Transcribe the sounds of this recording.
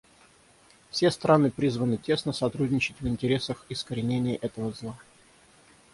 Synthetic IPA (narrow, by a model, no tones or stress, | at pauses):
fsʲest̪ɾʔanɨpɾʲizvənɨtʲe̞snəsɐt̪ɾudʲnʲɪt͡ɕɪtʲvɪnʲtʲɪɾʲe̞səxɪskəɾʲɪnʲenʲɪjəʔɛt̪əvəzlˠa